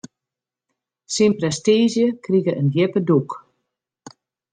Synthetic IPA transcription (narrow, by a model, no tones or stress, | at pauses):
sinprɛstiːzjəkriɣəʔəndjɪpəduk